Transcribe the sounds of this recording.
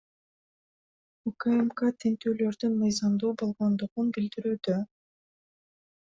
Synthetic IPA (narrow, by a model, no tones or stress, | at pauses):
ukemkat̪ʰent̪øːlø̞ɾd̪ynmɯjzɑmd̪uːbo̞lˠʁo̞nd̪uʁunbild̪iɾyːd̪ø